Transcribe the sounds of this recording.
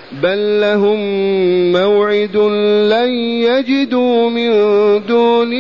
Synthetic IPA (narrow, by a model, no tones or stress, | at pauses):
balːaɦʊmː | awʕɪd̪ʊlajjad͡ʒɪd̪uːmɪnd̪uːnɪ